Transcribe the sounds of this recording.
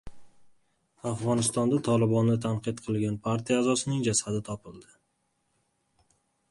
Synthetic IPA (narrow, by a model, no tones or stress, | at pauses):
afʁɒnɪst̪ɒnd̪at̪ʰɒlˠɪbɒnːɪt̪ʰanqɨt̪qʰɨlˠɡʲanpʰaɾt̪ʰijaːzɒsɪnɪŋd͡ʒasad̪ɪt̪ʰɒpɪlˠd̪ɪ